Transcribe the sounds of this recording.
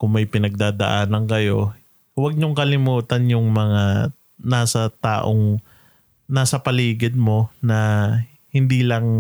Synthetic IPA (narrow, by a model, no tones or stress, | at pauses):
kʊŋmɐjpɪnɐɡ̚d̪aːd̪ɐ̰ʔaːnɐŋkɐjo̞ | wɐɡ̚ɲʊŋkɐlɪmuːt̪ɐnjʊŋmɐŋa | naːsɐt̪a̰ːʔoŋ | naːsɐpɐliːɡɪd̪̚mo̞nɐ | hɪnd̪iːlɐŋ